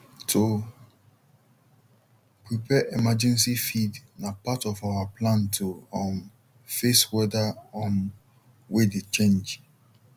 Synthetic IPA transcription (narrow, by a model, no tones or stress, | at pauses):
tʰo | pɹipʰɛʔemad͡ʒɛ̃ns̬ifidnapatɔfawapʰlãntʰoɔ̃n | feswɛdaɔ̃n | wedet͡ʃẽnd͡ʒ